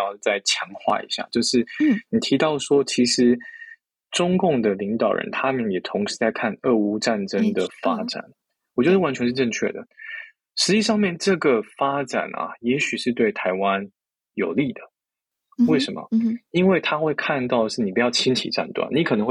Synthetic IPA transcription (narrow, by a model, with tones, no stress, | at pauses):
ɑ˥˧ʊt͡sa˥˩ɪt͡ɕʰjɑ˧˥ŋxwa̰˥˩ḭ˧˥ɕja̰˥˩t͡ɕjo˥˧ʊʂɻ̩˥˩ni˨˩t̪ʰi˧˥t̪ɑ˥˩ʊʂwɔ˥t͡ɕʰi˧˥ʂɻ̩˧˥ | ʈ͡ʂʊ˥ŋkʊ˥˩ŋd̪ə˩li˧˥ŋt̪ɑ˨˩ʊɻʔə̰˧˦nt̪ʰa˥mə˨njɛ˨˩t̪ʰʊ˧˥ŋʂɻ̩˧˦t͡sa˥˧ɪkʰa˥˧nə˥˩u˥ʈ͡ʂa˥˩nʈ͡ʂə˥ŋd̪ə˩fa˥ʈ͡ʂa̰˨˩˦n | wɔ˨˩t͡ɕwɛ˥d̪ə˧wa˧˥nt͡ɕʰɥɛ˧nʂ̬ɻ̩˥˧ʈ͡ʂɤ˥˧ŋt͡ɕʰɥɛ̰˥˩d̪ə̰˩ | ʂɻ̩˧˥t͡ɕi˥˧ʂɑ˥˧ŋmjɛ˥˨nʈ͡ʂɤ˥˩ɡə˩fa˥ʈ͡ʂa̰˨˩nʔɐ̰˨jɛ˧˥ɕy˨˩ʂɻ̩˥˧t̪we˥˩ɪt̪ʰa˧˥ɪwa˦n | jo˨˩ʊli˥˩d̪ə˩ | we˥˩ɪʂə˧˦nmə̰˩i˦˥nwe˥˩ɪt̪ʰa˥xwe˥˧ɪkʰa˥˧nt̪ɑ˥˩ʊd̪ə˩ʂɻ̩˥˩ni˨˩pu˧˥jɑ˥˩ʊt͡ɕʰi˥nt͡ɕʰḭ˨˩ʈ͡ʂa̰˥˧nt̪wa̰˨˩nːi˨˥kʰɤ˨˩nə˧˥ŋw